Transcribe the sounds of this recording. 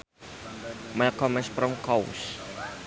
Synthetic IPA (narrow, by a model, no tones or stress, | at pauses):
mɛlkɔmɛspɾɔmkɔw̰s